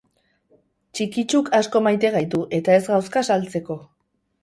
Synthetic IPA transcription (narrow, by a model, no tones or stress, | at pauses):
t͡ʃikit͡ʃukasko̞majt̪e̞ɣajt̪uʔe̞t̪ae̞zɣawskasalt͡se̞ko̞